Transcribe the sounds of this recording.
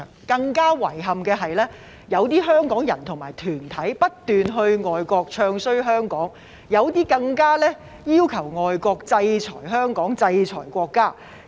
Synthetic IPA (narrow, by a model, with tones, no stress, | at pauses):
kɐ˧ŋkaː˥wɐ˨˩jɦɐ˨mkɛː˧ɦɐ˨jlɛː˥ | jɐ˨˧wt̪iː˥ɦœː˥ŋkɔː˨˥ŋjɐ˨˩nt̪ʰʊ˨˩ŋmaː˨˩jt̪ʰyː˨˩nt̪ʰɐ˨˥jpɐ˥t̚t̪yː˨nɦɵ˧ɥŋɔː˨jkʷɔː˧k̚t͡ʃʰœː˧ŋsɵ˥ɥɦœː˥ŋkɔː˨˥ŋ | jɐ˨˧wt̪iː˥kɐ˧ŋkaː˥lɛː˥ | jiː˥wkʰɐ˨˩wŋɔː˨jkɔː˧k̚t͡sɐ˧jt͡sʰɔː˨˩jɦœː˥ŋkɔː˨˥ŋt͡sɐ˧jt͡ʃʰɔ̰ː˨˩jkʷɔː˧kːaː˥